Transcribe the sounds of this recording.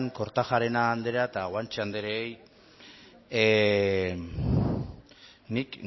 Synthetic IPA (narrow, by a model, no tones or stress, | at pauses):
ŋko̞ɾt̪axaɾe̞naːnd̪e̞ɾat̪aɣwant͡ʃeand̪eɾeej | nik